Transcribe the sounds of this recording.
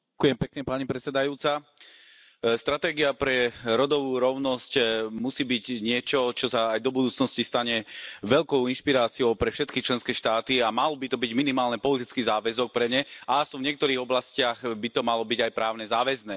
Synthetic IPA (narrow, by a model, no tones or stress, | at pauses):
akujɛmpɛkɲɛpaɲipɾɛt͡sɛd̪ajuːt͡sa | st̪ɾat̪ɛːɡiapɾɛɾɔd̪ɔʋuːɾɔʊnɔscmusiːbiɟɲɪɛt͡ʃɔt͡ʃɔsaːjd̪ɔbud̪uːt͡snɔscist̪aɲɛʋɛʎkɔʊinʃpiɾaːt͡siɔʊpɾɛfʃɛt̪kit͡ʃlɛnskɛːʃt̪aːt̪iamalɔbit̪ɔbiɟminimaːlnɛpɔlit̪it͡skiːzaːʋɛzɔk̚pɾɛɲɛaasɔ̃vɲɪɛk̚t̪ɔɾiːɣɔblascɪaɣbit̪ɔmalɔbiɟajpɾaːʊnɛzaːʋɛznɛː